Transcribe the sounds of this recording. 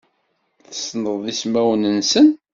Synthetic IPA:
θəsnəððismæwnənsən

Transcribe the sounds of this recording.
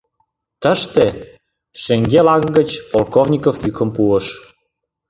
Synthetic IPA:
t̪əʃt̪e | ʃĕŋɡelɑkɡət͡ɕpolkovnʲikofjykə̆mpuəʃ

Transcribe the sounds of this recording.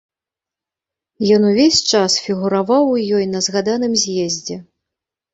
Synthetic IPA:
jɔnuvʲesʲt͡ʂasfʲiɣuɾavawjɔjnɐzɣad̪anɨmzʲjɛzʲd͡zʲɛ

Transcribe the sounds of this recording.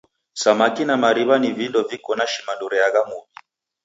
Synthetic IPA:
samakinamaɾiβanivindɔvikɔnaʃimanduɾɛaɣamuβi

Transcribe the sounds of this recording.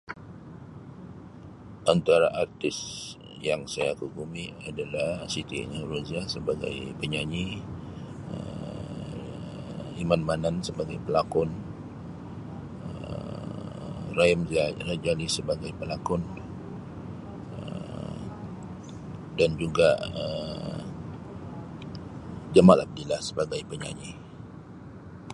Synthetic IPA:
ʔant̪aɾaʔart̪ɪs | jaŋsajakuɡumiadalahsit̪ḭnɾuziasəbaɡa̰jpəɲaɲi | ə̰ | imanmanansəbaɡajpəlakɔn | əə̰ | raimrad͡ʒalisəbaɡajpəlakɔn | ə̰ | dand͡ʒuɡaə | d͡ʒamalʔab̚dilahsəbaɡajpəɲa̰ɲḭ

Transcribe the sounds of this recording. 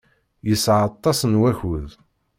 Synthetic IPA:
jəsʕɑt̪ˤːɑsənwæçuð

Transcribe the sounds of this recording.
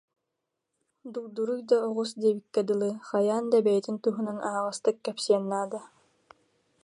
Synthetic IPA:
d̪uk̚d̪uɾujd̪aɔʁusd̪ɛbikːɛd̪ɯlˠɯχajaːnd̪abɛjɛt̪int̪uɦunanaːʁast̪ɯkːɛpsiɛnːaːd̪a

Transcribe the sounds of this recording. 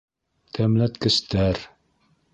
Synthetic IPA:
t̪ʰæmlæt̪kɘ̆st̪æɾ

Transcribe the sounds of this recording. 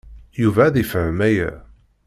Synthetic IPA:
juvæðifəʕəmæjæ̰

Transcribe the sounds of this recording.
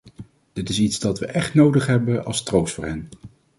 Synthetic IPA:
d̥ɪtɪsitzdɑtʋəʔɛχtnowdəχɦɛbəɑ̰lˠstrowstfʊːɹɦɛn

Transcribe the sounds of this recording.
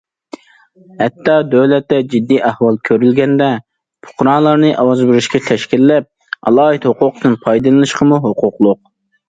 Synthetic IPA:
hɛt̪ʰːɑd̪øwlɛt̪ːɛd͡ʒid̪ːijʔæhwɑlˠkʲʰøɾylɡʲɛnd̪ɛ | pʰʊ̥qɾɑːlˠɑɾnɨʔɑwɑzbɪɾɪʃkʲɛt̪ʰɛʃkʲilːɛp̚ | ɑ̰lˠɑːɨt̪hoqʊqd̪ɨnpʰɑjd̪ɨlˠɨnɨʃqʰəmuɦoqʰʊqlˠʊq̚

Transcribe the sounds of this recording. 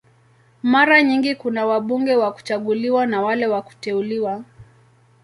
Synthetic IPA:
maɾaɲiŋɡikunawaɓuŋɡɛwaku̥t͡ʃaɠuliwanawalɛwaku̥tɛuliwa

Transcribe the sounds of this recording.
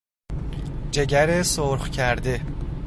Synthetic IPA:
d͡ʒe̞ɟæɾesoɾχcʰæɾd̪e̞

